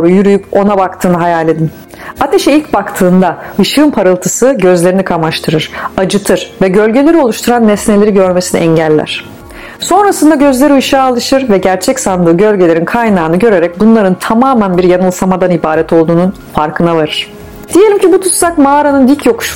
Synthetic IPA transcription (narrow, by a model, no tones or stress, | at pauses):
oɾujyɾyjypo̞nabakt̪ʰɯːnɯɦajaːlʲe̞d̪im | at̪ʰe̞ʃɛilʲcbakt̪ʰɯːnd̪aɯʃɯːmpʰaɾɯlˠt̪ʰɯsɯɟø̞zlʲe̞ɾinikʰamaʃt̪ʰɯɾɯɾ̥ad͡ʒɯt̪ʰɯɾ̥vɛɟø̞lʲɟe̞lʲe̞ɾio̞lˠuʃt̪ʰuɾanːɛsne̞lʲe̞ɾiɟø̞ɾmesinɛɛɲɟælʲːæ̰ɾ̝̥ | so̞nɾasɯnd̪aɟø̞zlʲe̞ɾiɯʃaːlˠɯʃɯɾvɛɟæɾt͡ʃʰɛcsand̪ɯːɟø̞lʲɟelʲeɾinkʰajnaːnɯɟø̞ɾe̞ɾɛc̚bunlˠaɾɯnt̪ʰamaːmænbiɾjanɯlˠsamad̪anibaːɾɛt̪ʰo̞lˠd̪uːnun | faɾkʰɯnavaɾɯɾ̥ | d̪̥ijelʲimcibut̪ʰut̪sakmaaɾanɯnd̪ilcjo̞kʃ